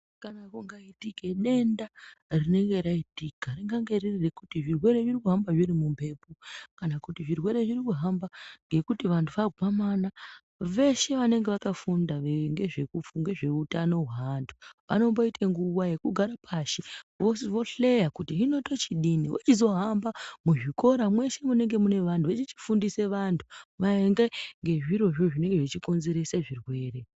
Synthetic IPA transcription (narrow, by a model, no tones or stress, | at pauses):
kanakuŋɡaitike̞ɗe̞ndarine̞ŋɡe̞ɾaitikariŋɡaŋɡe̞ririrekutiʐirwe̞ɾe̞ʐirikuɦambaʐirimumbe̞pokanakutiʐirwe̞ɾe̞ʐirikuɦambaŋɡe̞kutiʋantʰuʋaɡʱwamana | ʋe̞ʃe̞ʋane̞ŋɡe̞ʋakafundaʋeŋɡe̞ʐe̞kufuŋɡe̞ʐe̞utano̞uɦandʰuʋa̰no̞mbo̞itʰeŋɡuʋaje̞kuɡʱaɾapʰaʃiʋosʋo̞ɬe̞jakutiɦino̞to̞t͡ʃiɗiniwot͡ʃizo̞ɦambamuʐiko̞ɾamwe̞ʃe̞mune̞ŋɡe̞mune̞ʋantʰuʋet͡ʃit͡ʃi̥fundise̞ʋantʰu̥ʋaeŋɡeŋɡe̞ʐiɾo̞ʐo̞ʐine̞ŋɡe̞ʐit͡ʃiko̞nze̞ɾe̞seʐirwe̞ːre̞